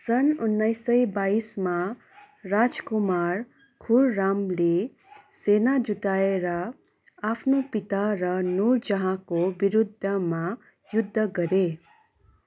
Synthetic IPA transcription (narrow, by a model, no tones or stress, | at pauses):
sʌnunːʌjsʌjbaisma | rad͡zkumar | kʰurːamle | senad͡zuʈaeɾʌ | apʰnopit̪aɾʌnurd͡zʌɦãkobiɾud̪ʱːʌma | jud̪ʱːʌɡʌɾe